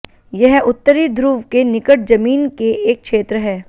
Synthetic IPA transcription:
jɐɦʊt̪ːəɾid̪ʱɾuːʋkenɪkəʈ̚d͡ʒɐmiːnkeʔeːk̚kʰʃeːt̪ɾəɦɛː

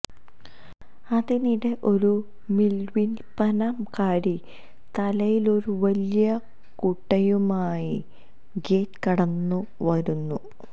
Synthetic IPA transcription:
ɐðiniɽeʔo̞ɾu | milʋinpɐnɐmkaːɾi | t̪ɐlɐjilo̞ɾuʋɐlijɐ | kuʈːɐjumaːji | ɡeːtkɐɽɐnːuʋɐɾunːu

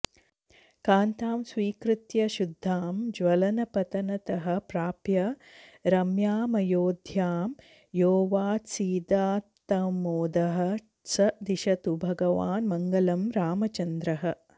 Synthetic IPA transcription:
kaːnt̪aːmsʋiːkɾɪt̪jɐʃud̪ʱːaːmd͡ʒʋɐlɐnɐpɐt̪ɐnɐt̪ɐɦɐ̆pɾaːpjɐɾɐmjaːmɐjoːd̪ʱjaːm | joːʋaːsiːd̪aːt̪ːɐmoːd̪ɐɦɐ̆ | sɐd̪iʃɐt̪ubʱɐɡɐʋaːnmɐŋɡɐlɐmɾaːmɐt͡ʃɐnd̪ɾɐɦɐ̆

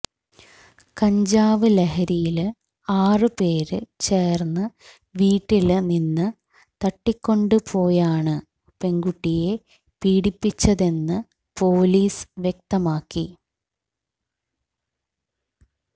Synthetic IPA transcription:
kɐɲd͡ʑaːʋɨleɦɐɾijil | aːrɨpe̞ːɾɨt͡ɕe̞ːrnːɨ | ʋiːʈːilninːɨ | t̪ɐʈːikʲːo̞ɳɖɨpʰo̞ːjaːɳɨ | pe̞ŋɡuʈːije̞ | piːɽipːit͡ɕːɐðe̞nːɨ | po̞ːliːsʋjek̚t̪ɐmaːkːi

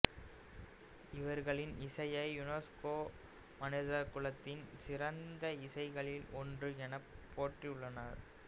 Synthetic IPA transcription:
ɪʋɐɾɣɐɭɪnɪsɐjɐɪjʊneskoː | mɐnɪðɐkʊɭɐt̪ːɪnsɪɾɐnd̪ɐɪsɐɪɣɐɭɪlɔndrɯɛnɐpʰːoːʈriʊɭːɐnɐɾ

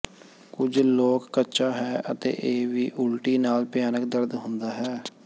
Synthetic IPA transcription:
kʊd͡ʒloːkːətːʃaːɦɛːʔət̪ḛːʔeːʋiːʔʊlʈiːnaːlpjaːnəkd̪əɾd̪ɦʊnd̪aːɦɛː

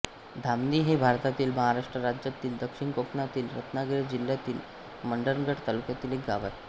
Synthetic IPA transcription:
d̪ʱamd̪iːɦebʱaɾt̪at̪iːlməɦaɾaʂʈɾəɾad͡ʑjat̪iːld̪əkʂiɳkokʰnat̪iːlɾə̰t̪naɡeɾed͡ʑilːjat̪iːl | məɳɖəɾnɡʱəʈt̪alukjat̪iːlek̚ɡaʋaj

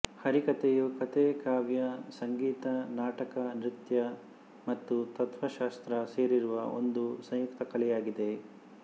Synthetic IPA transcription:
hɐɾikɐt̪ejukɐt̪ekaːʋjɐsɐŋɡiːt̪ɐnaːʈɐkɐnɾit̪jɐ | mɐt̪ːut̪ɐt̪ʋɐʃaːst̪ɾɐseːɾiɾuʋɐo̞̰nd̪usɐ̃j̃jukt̪ɐkɐɭɛjaːɡid̪e̞

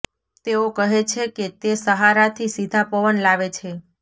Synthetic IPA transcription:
t̪eokəɦet͡ʃʰeket̪esəɦaɾat̪ʰisid̪ʱapəʋənlaʋet͡ʃʰe

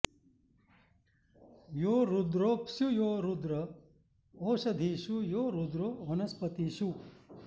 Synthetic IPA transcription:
joːɾud̪ɾoːpsjujoːɾud̪ɾɐ | oːʃɐd̪ʱiːʃujoːɾud̪ɾoːʋɐnɐspɐt̪iːʃu

